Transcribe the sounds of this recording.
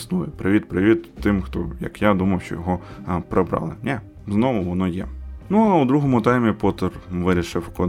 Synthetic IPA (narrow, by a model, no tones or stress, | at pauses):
snujɛpɾɪʋʲit̪̚pɾɪʋʲit̪ːɪmxt̪ɔ̰jɐ̰kjad̪umɐwʃt͡ʃɔ̰jɔɦɔpɾebɾɑ̰lˠɪ̰nʲɛ | znɔʋʊʋɔnɔjɛ̰nuɐud̪ɾuɦɔmʊt̪ɛmʲipɔt̪ɔrʋɪɾʲiʃɪwkɔ